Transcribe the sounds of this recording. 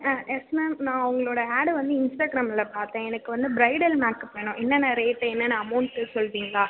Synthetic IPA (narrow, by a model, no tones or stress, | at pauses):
ʔɛsmɛmnãːʊŋɡɐɭoːɽɐaːɽʋɐnd̪ɯɪnsʈaːɡɾaːmɛlɐpaːɾt̪ẽːɛnɐkkːɯʋɐnd̪ɯbɾɐɪɽɛlmaːkːɐpoːjɐɳõʔɛnːɐnaɾeːʈːɐɛnːɐnːɐɐmɐʊɳʈːɯsɔlːʋiːŋɡaː